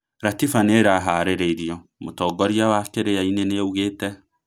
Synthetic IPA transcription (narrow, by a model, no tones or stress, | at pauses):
ɾatifaneɾaɦaɾeɾeiɾijɔmotɔːɡɔɾiawakeɾejaineneauɣeːtɛ